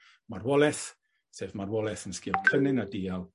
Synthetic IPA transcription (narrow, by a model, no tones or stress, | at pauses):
marwɔlˠɛθ | sevmarwɔlˠɛθənskɪɔlkʰənɪnadiːalˠ